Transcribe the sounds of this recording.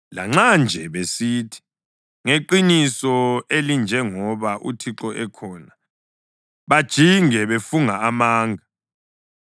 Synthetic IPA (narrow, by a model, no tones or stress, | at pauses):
la̰ŋ͡ǁand͡ʒʱɛβesiːtʰi̥ | ŋeǃinisɔelind͡ʒʱɛŋɔβaʔṵtʰiǁɔʔɛkʰɔːna | βad̥ʒ̥ʱiŋɛβefuŋaːmaːŋɡʱa